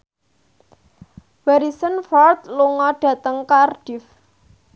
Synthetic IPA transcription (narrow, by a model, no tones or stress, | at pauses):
w̥aɾisənfɔrt̪luŋɔɖ̥ä̤t̪əŋkarɖ̥if